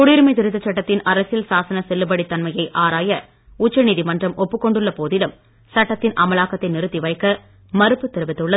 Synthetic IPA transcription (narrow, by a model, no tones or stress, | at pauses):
kʊɽiːɾmɐɪt̪ɪɾɯt̪ːɐt͡ʃːɐʈːɐt̪ːɪnɐɾɐsjɪlsaːsɐnɐsɛlːɯpɐɽit̪ːɐnmɐjɐɪʔaːɾaːjɐ | ʊt͡ʃːɐniːðimɐndrɐmɔpːɯkːɔɳɖɯɭːɐpoːðɪɽɐm | sɐʈːɐt̪ːɪnʔɐmɐlaːkɐt̪ːɐɪnɪɾɯt̪ːiʋɐɪkːɐ | mɐɾɯpːɯt̪ɪɾɯʋɪt̪ːɯɭːɐ